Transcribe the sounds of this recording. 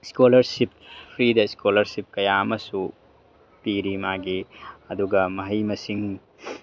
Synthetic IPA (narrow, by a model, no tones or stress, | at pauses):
skolɐɾsippʰɾidɐiskolɐɾsip̚kɐjaɐmɐsu | piɾimaɡiɐduɡɐmɐɦɐjmɐsiŋ